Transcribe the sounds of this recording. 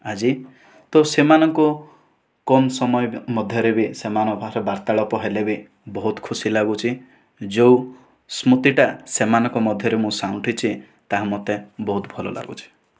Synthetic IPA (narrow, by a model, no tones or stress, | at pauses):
ad͡ʒi | t̪ɔsemanɔŋku | kɔmsɔmɔjɔmɔd̪ʱjɔɾebisemanɔbʱaɾɔbaɾt̪aɭɔpɔɦelebi | bɔɦut̪kʰusilaɡut͡ʃʰi | d͡ʒew | smut̪iʈasemanɔŋkɔmɔd̪ʱjɔɾemũsawʈʰit͡ʃʰi | t̪aɦamɔt̪ebɔɦut̪bʱɔlɔ̰la̰ɡṵt͡ʃʰi̥